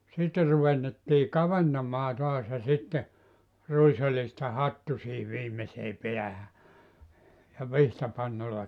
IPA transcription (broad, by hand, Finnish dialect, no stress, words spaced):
sitːe ruʋenːetːiː kɑʋentɑmɑː toɑs jɑ sitːe ruisolʲistɑ hɑtːu siːhiʋ ʋiːmeseː peæhæ jɑ ʋihtɑpɑnːolːɑ